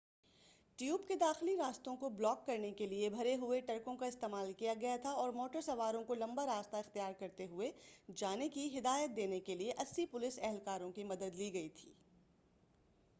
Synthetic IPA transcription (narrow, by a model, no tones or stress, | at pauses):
ʈjuːbked̪aːxɪliɾaːst̪õkoblɔːkːɐɾnekeliebʱɐɾeɦʊeʈɐɾkõkaɪst̪eːmaːlkijaɡɐjat̪ʰaɔːɾmɔːʈəɾsɐʋaːɾõkolɐ̃mbaɾaːst̪aɪxt̪ijaːɾkɐɾt̪eɦʊed͡ʒaːnekiɦɪd̪aːjət̪̚d̪eːnekelieʔɐsːipʊlɪsɛɦɛlkaːɾõkimɐd̪əd̪liːɡɐit̪ʰiː